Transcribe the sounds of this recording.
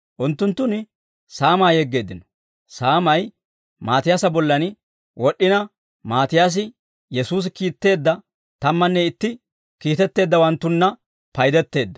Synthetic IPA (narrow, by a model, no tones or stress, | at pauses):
ʔʊnt̪ːʊnt̪ːʊnɪ | saːmaːjɛɡːe̞ːd̪ːɪnɔ̥ | saːmɐj | maːt̪ɪjaːsɐbɔlːɐn | wɔɗːɪnɐ | maːt̪ɪjaːs̬ɪ | jɛsuːs̬ɪkiːt̪ːe̞ːd̪ːɐ | t̪ɐmːɐnːɛɪt̪ːɪ | kiːt̪ɛt̪ːe̞ːd̪ːɐwɐnt̪ːʊnːɐ | pɐjd̪ɛt̪ːe̞ːd̪ːɐ̥